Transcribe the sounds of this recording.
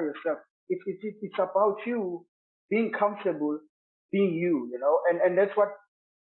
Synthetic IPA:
jɔsɛlf | ititiitsabawtʰju | b̥iĩŋkʰãɱftəbəl | b̥iĩŋjujunoʊʔɛ̃nɛ̃ndætswɔt̚

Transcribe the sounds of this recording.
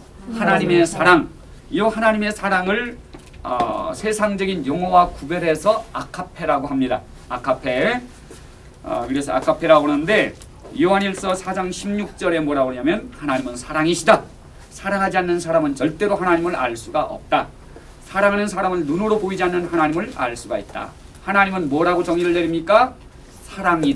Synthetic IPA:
hanaɲime̞sʰaɾaŋ | ijʌhanaɲime̞sʰaɾaŋɯɭ | ʌ̰sʰe̞sʰaŋd͡ʑʌɡinjʌŋɦʌwakubeɾe̞sʰʌakʰapʰe̞ɾaɡoɦamɲida | akʰapʰe̞ | ʌ̰kɯɾe̞sʰʌa̰kʰapʰe̞ɾaɡonɯnde̞ | jiaɲiɭs͈ʌsʰad͡ʑaŋɕʰimɲuk̚t͡ɕ͈ʌɾe̞mwʌɾaboɲamjʌnhanaɲimɯnsʰaɾaŋiɕʰida | sʰaɾaŋɦad͡ʑianːɯnsʰaɾamɯnt͡ɕʌɭt͈e̞ɾohanaɲimɯɾa̰ɭs͈uɡaʔʌ̰p̚t͈a | sʰaɾaŋɦanɯnsʰaɾamɯnːunɯɾopoid͡ʑianːɯnhanaɲimɯɾa̰ɭs͈uɡait̚t͈a̰ | hanaɲimɯnmwʌɾaɡot͡ɕʌŋiɾɯɭːeɾimɲik͈a | sʰaɾaŋi

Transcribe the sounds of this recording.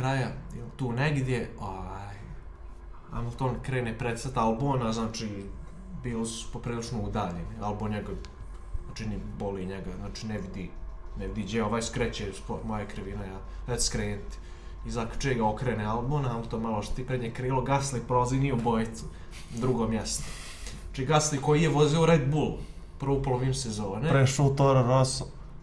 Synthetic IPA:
kɾajajɛlt̪uːneɡd̪jeoːʋaːj | a̰mlˠt̪oːnkɾeːnepɾet̪sat̪alˠboːnaznaːt͡ʃi | biːlospopɾiːlˠit͡ʂnoud̪aːʎenialˠbonɲaɡa | zaːt͡ʃiniboliɲɛɡaznaːt͡ʃinɛʋid̪inɛʋid̪iːd͡ʑeoʋaːjskɾɛt͡ɕespomojakɾiʋinaja | eskɾeːt̪ | izakt͡ʃeɡaokɾeːnealˠbonamt̪omaloʃt̪o̥t̪ipɾeɲekɾiːloɡaslipɾolaziːnijeubojt̪su | d̪ɾuɡoːmjɛst̪o | at͡ʃiːɡaslikojijeʋoziouɾed̪̚buːl | pr̩ʋopolˠomimsezoːnepɾeʃot̪oɾanoso

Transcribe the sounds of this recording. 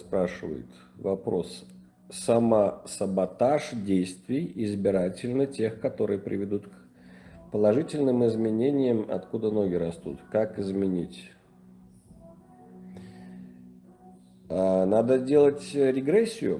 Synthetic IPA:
spɾaʂɨvə̰jɪ̰t̪ | vɐpɾo̞̰s | sɐməsəbat̪aʂdʲejst̪vʲɪjɪzbʲɪɾatʲɪlʲnətʲe̞xkɐt̪o̞ɾɨjəpɾʲʔɪvʲɪd̪ut̪k | pəlˠɐʐɨtʲɪlʲnɨmɪzmʲɪnʲenʲɪjəmɐ̰t̪kud̪ənoɡʲɪɾɐst̪ṵt̪kakɪzmʲɪnʲitʲ | nad̪ədʲe̞lˠətʲɾʲɪɡɾɛsʲːɪjʊ̰

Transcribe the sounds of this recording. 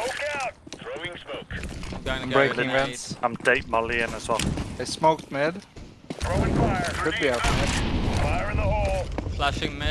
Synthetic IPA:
okaʊt̚θɹoɪ̃ŋsmoʊk | mbɹeɪkŋvɛ̃nsãmdeɪt̚maliə̃nəsɔfəsmoʊk̚tmɛd̥ | ɹoʊɪ̃ŋaəkʰʊd̚biaʊt̚mɛdfaɪəɹɪ̃nəhɔlˠflaʃɪ̃ŋmɛ

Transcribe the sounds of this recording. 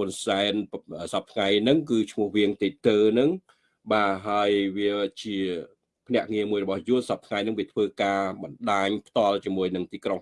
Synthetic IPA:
hʊnsaɛnəːsɑp̚t̪ʰŋajnɨŋkɨːt͡ɕʰmʊ̆əhʋiəŋt̪eːt̪əːnɨŋ | ɓaːɦaəjʋiət͡ɕiə | pʰnɛ̆əʔŋiəmuəjrɔɓɑhjuənsɑp̚t̪ʰŋajnɨŋʋiət̪ʰʋəːkaːɓɑnɗaːɲpʰt̪ŏəlt͡ɕiəmuəjnɨŋt̪iːkroŋ

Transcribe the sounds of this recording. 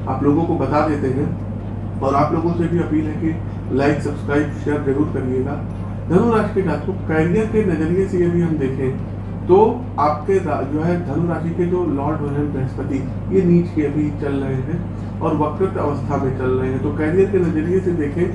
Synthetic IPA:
a̰ːploːɡõkobɐt̪ad̪eːt̪eɦɛ̃ | ɔːɾaːploːɡõsebʱiɐpiːlɦɛ̃ki | laːɪʈsɐbskɾaːɪbʃeːɾzɐɾuːɾkɐɾieːɡaː | d̪ʱɐnuɾaːd͡ʒiked͡ʒaːt̪okɛːɾijəɾkenɐd͡ʒəɾijesejɐbʱiɦɐmd̪eːkʰẽː | t̪o | aːp̚keɾad͡ʒoːɦɛd̪ʱɐnuɾaːd͡ʒiked͡ʒolɔːɾɖbɐɾɛ̃nbɛɦəspət̪i | jeniːt͡ʃkeɐbʱit͡ʃɐlɾɐeɦɛ̃ | ɔːɾʋɐkɾət̪ɐ̰ʋəst̪ʰamẽt͡ʃɐlɾɐɦeɦɛ̃t̪okɛːɽijəɾkenɐd͡ʒəɾijesed̪eːkʰẽː

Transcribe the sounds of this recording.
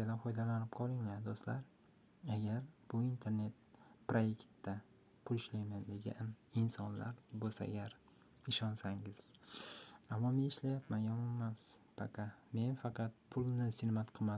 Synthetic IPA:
ad̪anfɒjd̪alanɪp̚qʰɒlˠɪŋland̪ost̪laɾ | aɡʲaɾb̥ʊint̪ʰe̞ɾne̞t̪̚pɾoje̞kʲt̪d̪a | pʰʊlɪʃlajmand̪e̞ɡʲa̰nɪnsɒnla̰ɾbosa̰ɡʲaɾ | ɪʃɒnsaŋɪz̥ | amːɒmenɪʃlajapmanjɒmmːaspʰa̰qʰɑme̞nfɑqʰɑt̪̚pʰʊlˠnɪsɪɾmat̪qʰɨma

